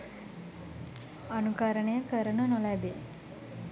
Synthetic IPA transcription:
anukaɾəɳəjəkəɾənənolæbe

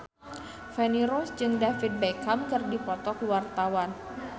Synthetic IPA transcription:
fɛniɾɔsd͡ʒɨŋdafit̪̚bakamkɨrdipɔt̪ɔkwart̪awan

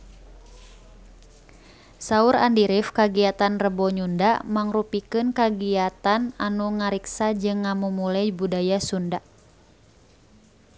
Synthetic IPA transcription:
sauɾa̰ndiɾifkaɡiat̪anrəbɔɲundamaŋrupikɨnkaɡiat̪ananuŋaɾiksad͡ʒɨŋːamumulɛbudajasunda

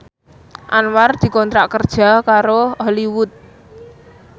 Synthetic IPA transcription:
ʔanward̪̥i̤kɔnt̪ɾaʔkərd̥ʒ̥a̤kaɾoɔliwʊt̪̚

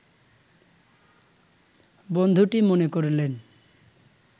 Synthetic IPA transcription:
bond̪ʱuʈimonekoɾlen

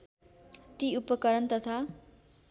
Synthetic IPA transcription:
t̪iupʌkʌɾʌnt̪ʌt̪ʰa

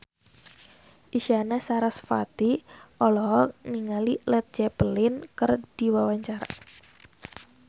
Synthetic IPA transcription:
ʔiʃianasaɾasfa̰t̪iʔɔlɔɦɔniŋalilɛt̪̚d͡ʒɛpəlɪnkərd̥iwawaɲt͡ʃaɾa̰

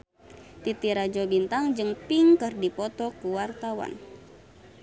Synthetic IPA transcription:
t̪it̪iɾad͡ʒɔbint̪aŋd͡ʒɨŋpiŋkɨrdipɔt̪ɔkuwart̪awa̰n

